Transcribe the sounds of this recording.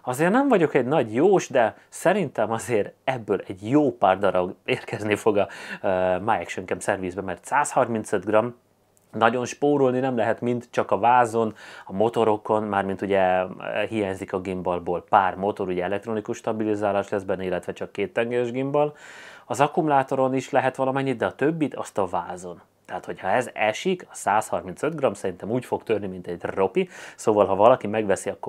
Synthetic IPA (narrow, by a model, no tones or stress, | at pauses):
ɒzeːrnɛɱvɒɟo̞kɛɟnɒɟjoːʃd̪ɛ | sɛɾint̪ɛmɒzeːɾɛbːøːlɛɟjoːpaːrd̪ɒɾɒɡeːrkɛznifo̞ɡɒ | maːjɛkʃøŋkɛmsɛrviːzbɛmɛrt̪saːshɒrmint̪sɛd̪ɡrɒm | nɒɟo̞nʃpoːɾolninɛmlɛɦɛt̪mint̪t͡ʃɒkɒvaːzo̞nɒmo̞t̪o̞ɾo̞ko̞nmaːrmint̪uɟɛhijaːɲzikɒɡimbɒlboːlpaːrmo̞t̪o̞ɾuɟɛɛlɛkt̪ɾonikuʃt̪ɒbilizaːlaːʃlɛzbɛnːilːɛt̪ʋɛt͡ʃɒkːeːt̪ːɛŋɡɛɾɛʒɡimbɒlɒzɒkumulaːt̪o̞ɾoniʃlɛɦɛt̪ʋɒlɒmɛɲːid̪ɛɒt̪øbːit̪ʰɒ̰st̪ɒvaːzon | t̪ɛɦaːt̪ho̞chɒɛzɛʃikɒsaːshɒrminsød̪ɡrɒmsɛɾint̪ɛmuːcfo̞kt̪ørnimint̪ɛɟro̞pisoːvɒlɦɒvɒlɒkimɛɡvɛsiɒkːo